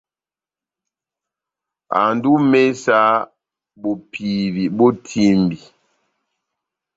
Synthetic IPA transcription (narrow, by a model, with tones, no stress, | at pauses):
a̰˨ndu˦me˦sa˦ | bo˨pʰi˨bi˨bo˦tʰi˦mbi˨